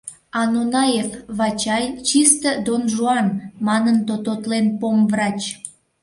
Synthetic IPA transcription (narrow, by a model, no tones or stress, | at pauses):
ɑnonɑjefβɑt͡ɕɑjt͡ɕist̪əd̪onʒuɑnmɑnənt̪ot̪ot̪lenpomvrɑt͡ɕ